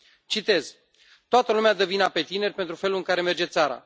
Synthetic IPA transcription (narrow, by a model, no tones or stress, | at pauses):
t͡ʃit̪e̞z̥ | t̪oat̪əlumead̪evinape̞t̪ine̞rʲpe̞nt̪ɾufe̞lulɨŋkaɾe̞me̞rd͡ʒe̞t̪saɾa̰